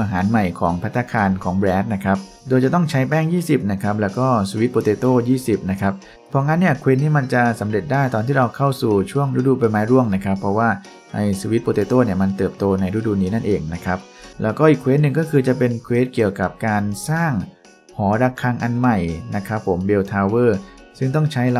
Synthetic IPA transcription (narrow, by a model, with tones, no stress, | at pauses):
ʔaː˧ɦaː˩˦nma˨˩jkʰɔː˩˦ŋpʰa˦˥t̪ʰːa˧kʰaː˧nkʰɔː˩˦ŋbɾɛː˦˥nt̪̚na˦˥kʰɾa˦˥p̚ | doː˧jt͡ɕa˨˩t̪ɔ˥˩ŋt͡ɕʰa˦˥jpɛː˥˩ŋjiː˥˩si˨˩p̚na˦˥kʰa˦˥p̚lɛː˦˥wkɔː˥˩suː˧wi˦˥t̪̚poː˧t̪eː˧t̪oː˥˩jiː˥˩si˨˩p̚na˦˥kʰa˦˥p̚ | pʰːɔ˦˥˧ŋa˦˥nːi˥˩ɐkʰweː˦˥t̪̚niː˥˩ma˧nt͡ɕa˨˩sa˩˦mɾe˨˩t̪̚daː˥˩jt̪ɔː˧nt̪iː˥˩ɾa˧wkʰa˥˩wsuː˨˩t͡ɕʰu˥˩əŋɾa˦˥˩duː˧pa˧jmaː˦˥jɾu˥˩əŋna˦˥kʰa˦˥pʰːɾɔ˦˥waː˥˩ | ʔa˧jsu˧wi˦t̪̚poː˧t̪eː˧t̪oː˥˩ni˥˩ɐma˧nt̪ɤː˨˩p̚t̪oː˧na˧jɾu˦˥˩duː˧˩niː˦˥na˥˩nʔeː˧ŋna˦˥kʰɾa˦˥p̚ | lɛː˦˥wkɔː˥˩ʔiː˨˩kʰweː˦˥t̪̚nɯ˨ŋkɔː˥˩kʰɯː˧t͡ɕa˨˩pe˧nkʰweː˦˥t̪̚ki˨˩əwka˨˩p̚kaː˧nsaː˥˩ŋ | hɔː˩˦daː˧kʰa˧ŋʔa˧nma˨˩jna˦˥kʰa˦˥pʰːo˩˦mbe˧wt̪ʰaː˧wɤː˥˩ | sɯ˥˩ŋt̪ɔ˥˩ŋt͡ɕʰa˦˥j